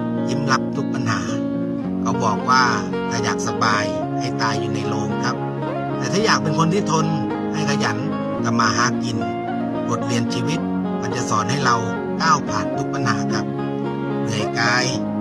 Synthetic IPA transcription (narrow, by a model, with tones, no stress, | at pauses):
ji˧˥mla˦˥p̚t̪ʰu˦˥k̚pa˧nɦa̰ː˩˦ | ka˧˩bɔː˨˩k̚waː˥˩ | ka˧˩jaː˨˩k̚sa˧baː˧j | ha˥˩jt̪aː˧˩jːuː˨˩na˧jloː˧˩mkʰa˦˥p̚ | t̪ɛː˧˩t̪ʰaː˥˩jaː˨˩k̚pe˧nkʰo˧nt̪ʰiː˥˩t̪ʰo˧n | ha˧˥˩jkʰa˧˩ja˩˦n | ka˧˩maː˧ɦaː˧˥˩kːi˧n | bo˨˩t̪̚li˧ənt͡ɕʰiː˧wi˦˥t̪̚ | maː˧˩t͡ɕa˨˩ʔsɔː˩˦nha˥˩jɾa˧w | kaː˥˩wpʰaː˨˩nt̪ʰu˦˥k̚pa˧nhaː˩˦kʰa˦˥p̚ | nɯ˨˩əjkaː˧j